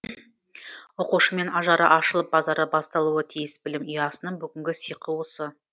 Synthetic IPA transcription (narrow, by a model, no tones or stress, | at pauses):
woquʃəme̞nɑʒɑɾɑ̰ʔɑʃəlˠəp̚bɑzɑɾəbɑst̪ɑlˠuət̪ʰijɪsbɪlɪmijɑsənəɴbʏɡʲɪŋɡʲɪsijqʰəwəsə